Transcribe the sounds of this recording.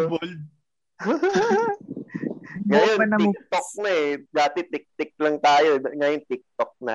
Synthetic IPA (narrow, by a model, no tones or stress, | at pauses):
bol̚ | ŋɡɐjonɐnɐɪk̚t̪ok̚nɐɛd̪aːt̪ɛt̪ɪk̚t̪ɪk̚lɐŋt̪aːjoŋɐjont̪ɪk̚t̪ok̚nɐ̰